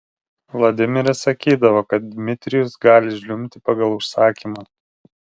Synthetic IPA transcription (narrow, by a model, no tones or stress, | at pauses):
ʋlˠɐd̪ʲɪmʲɪɾʲɛsɐkʲiːd̪ɐʋoːkɐt̪̚d̪ʲmʲɪt̪ʲɾʲɪjʊsɡɑːlʲɪʒʲlʲʊmʲt̪ʲɪpɑɡɐlˠʊʃsɑːkʲiːmɑ